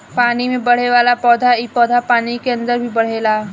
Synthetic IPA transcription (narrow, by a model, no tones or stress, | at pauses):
paːnimẽbɐɽ̤eʋaːlapɔːd̪ʱaipɔːd̪ʱapaːnikeɐ̃nd̪əɾbʱibɐɽ̤eːlaː